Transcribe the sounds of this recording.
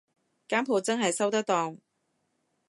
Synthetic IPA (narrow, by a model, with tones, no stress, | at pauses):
kaː˥mpʰoː˨˩t͡sɐ˥ŋɦɐ˨jsɐ˥wt̪ɐ˥k̚t̪ɔː˨˩ŋ